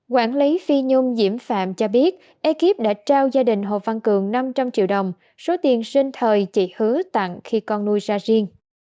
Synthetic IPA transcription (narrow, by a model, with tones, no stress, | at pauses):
kwaː˧˩nli˨˦fi˧ɲʊ˧ŋ͡mzḭ˧˩əmfa̰ː˧˨mt͡ɕɔ˧ɓi˦˥ət̚ | ʔɛ˨˦ki˦˥p̚ɗa̰ː˧˥t͡ɕaː˧wzaː˧ɗï˨˩ŋ̟ɦo̰˧˨va˧˩nkɨ˨˩əŋna˧mt͡ɕa˧mt͡ɕḭ˧˨əwɗə˨˩wŋ͡m | so˨˦t̪i˨˩ənsï˧ŋ̟t̪ʰəː˨˩jt͡ɕḭ˧˩hɨ˨˦ət̪a̰˧˨ŋxi˧kɔ˧nːu˧jzaː˧zi˧əŋ